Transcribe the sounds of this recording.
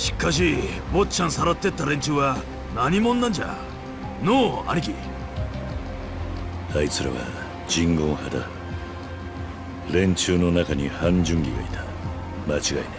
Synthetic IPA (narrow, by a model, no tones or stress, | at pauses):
ɕi̥kaɕ̬i | bot͡ɕʰansaɾat̪ːe̞t̪ːaɾe̞ɲt͡ɕɨːwa | naɲimonːand͡ʑa̰ | noa̰ɾʲiɡi | ait͡sɨɾa̰βa̰ | d͡ʑĩŋɡõ̞ɰ̃had̪a̰ | ɾẽ̞ɲt͡ɕɨːno̞nakaɲ̟ihãɲd͡ʑɨ̃ŋɡʲiɡa̰it̪ʰḁ | mat͡ɕiɡaine